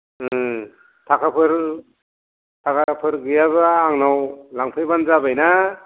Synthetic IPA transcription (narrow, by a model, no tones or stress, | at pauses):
ɯ | tʰakʰapʰɯɾ | tʰakʰapʰɯɾɡɯjaβaːŋnawlaŋpʰɯjbanzabajna